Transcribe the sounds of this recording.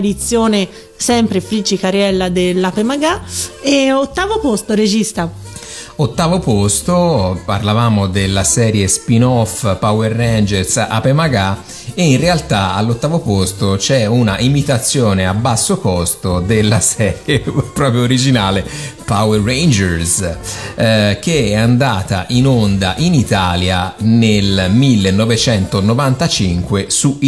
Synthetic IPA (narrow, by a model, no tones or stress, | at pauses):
d̪it̪sːjoːne | sɛmpɾefɾid͡ʒikaɾjɛlːad̪elːapemaɡaeot̪ːaːvopost̪oɾed͡ʒist̪a | ot̪ːaːvopost̪oparlavaːmod̪elːasɛːɾjespinɔfpawerːɛnd͡ʒeɾsa̰pːemaɡa | einrealt̪aa̰lːot̪ːaːvopost̪ot͡ʃɛunaʔimit̪at̪sːjoːneabːasːokɔst̪od̪elːasɛːɾjepɾɔːpɾjoːɾid͡ʒinaːlepawerːejnd͡ʒɛɾs | k̟eɛand̪aːt̪a̰ʔinond̪aʔinit̪aːljanelmilːenːɔvet͡ʃɛnt̪onovant̪at͡ʃiŋkwesu